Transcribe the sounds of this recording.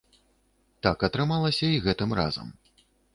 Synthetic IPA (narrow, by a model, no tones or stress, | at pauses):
t̪akɐt̪ɾɨmalˠɐsʲɐiɣɛt̪ɨmra̰zɐ̰m